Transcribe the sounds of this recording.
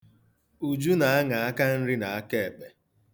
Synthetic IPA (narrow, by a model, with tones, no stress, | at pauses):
u˨d͡ʒu˦na˨a˦ŋa˨a˦ka˦n̩˦ɾɪ˦na˨a˦ke˦˨e˨k͡pe˨